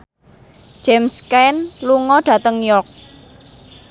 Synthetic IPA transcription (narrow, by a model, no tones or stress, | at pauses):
ʒ̥ɛmskanluŋɔɖ̥ä̤t̪əŋjɔk̚